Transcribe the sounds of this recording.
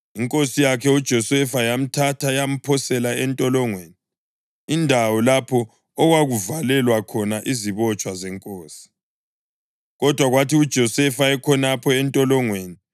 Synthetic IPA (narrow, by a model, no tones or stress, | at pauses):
iŋkʼosijakʰɛud̥ʒ̥ʱɔsɛfajam̩tʰatʰajam̩pʰɔsɛlaɛntʼɔlɔŋweːni | indʱawɔlapʰɔː | ɣwaɣuvalɛlwakʰɔnaʔiziβɔt͡ʃʼwazɛŋkʼoːsi̥ | ɣɔd̥ʱwaɣwatʰiud̥ʒ̥ʱɔsɛfaɛkʰɔnapʰɔɛntʼɔlɔŋweːni